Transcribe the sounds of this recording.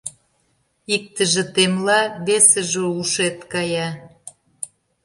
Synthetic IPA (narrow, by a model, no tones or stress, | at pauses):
ik̚t̪ə̆ʒĕt̪emlɑβesə̆ʒəuʃet̪kɑjɑ